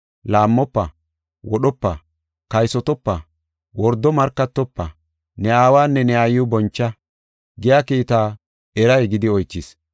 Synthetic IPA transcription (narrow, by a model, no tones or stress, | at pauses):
laːmːɔpːɐ | wɔɗɔpːɐ | kɐjsɔt̪ɔpːɐ | wɔɾd̪ːɔmɐɾkːɐt̪ːɔpːɐ | nɛaːwaːnːɛnɛajʊbɔnt͡ʃːɐ | ɡɪjaːkiːt̪aː | ɛɾɐjɛɡɪd̪ɪɔjt͡ʃːɪs